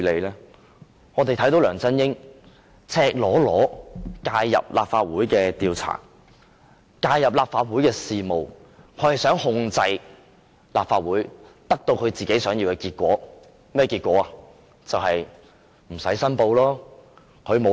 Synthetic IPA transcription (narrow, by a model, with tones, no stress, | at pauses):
le˨˧jlɛː˥ | ŋɔː˨˧t̪e˨jt̪ʰɐ˨˥jt̪o˨˧wlœː˨˩ŋt͡sɐ˥njɪ˥ŋ | t͡sʰɛː˧k̚lɔː˨˥lɔː˨˥kaː˧jjɐ̰˨p̚laː˨p̚faː˧t̚wuː˨˥jkɛː˧t̪iː˨wt͡sʰa̰ː˨˩ | kaː˧jɐ˨p̚laː˨p̚faː˧t̚wuː˨˥jkɛː˧siː˨mo˨w | kʰɵ˨˥hɐ˨˩jsœː˨˥ŋhʊ˧ŋt͡sɐ˧j | la̰ː˨p̚faː˧t̚wuː˨˥jt̪ɐ˥k̚t̪o˧wkʰɵ˨˧ɥt͡siː˨ke˨˥jsœː˨˥ŋjiː˧wkɛ˧kiː˧t̚kʷɔ̰ː˨˥ | mɛː˥˩kiː˧t̚kʷɔ̰ː˨˥a˨ | t͡sɐ˨whɐ˨j | m̩˨˩sɐ˨˥jsɐ˥npo˧wlɔː˥ | kʰɵ˨˧ɥmo˨˧